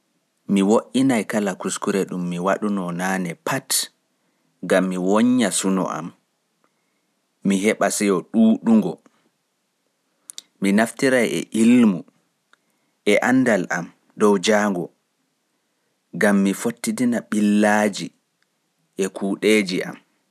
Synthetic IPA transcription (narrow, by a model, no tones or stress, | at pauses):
miwoʔinajkalakuskuɾɛɗumːiwaɗunɔnaːnɛpʰat | ɡamːiwoɲːasunɔ̰ʔa̰m | miɦɛɓasɛjɔɗuːɗuŋɡɔ | minaftiɾajɛ̰ʔilmu | ʔɛʔanːdalʔam | dɔwd͡ʒaŋɡɔ | ɡamːifotːidinaɓilːaːd͡ʒi | ʔɛkʰuːɗeːd͡ʒiʔa̰m